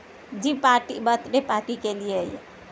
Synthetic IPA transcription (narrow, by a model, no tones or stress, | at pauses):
d͡ʒipaʈibət̪ɾepaʈikelijej